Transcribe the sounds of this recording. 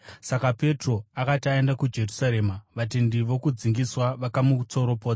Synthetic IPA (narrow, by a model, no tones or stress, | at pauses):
sakape̞tro̞akatiaendakud͡ʒe̞rusaɾe̞ːmaʋat̬indiʋo̞kud͡ziŋɡiswaʋakamut͡so̞ɾo̞po̞ːt͡sa